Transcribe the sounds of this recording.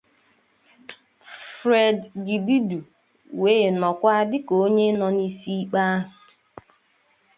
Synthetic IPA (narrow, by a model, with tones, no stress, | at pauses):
fɾe˨dɡi˨di˦du˨ | we˦˨nɔ˨kʷa˦dɪ˦ko˦ɲe˦nɔ˨ni˦si˦i˦k͡pa˦ɦʊ˨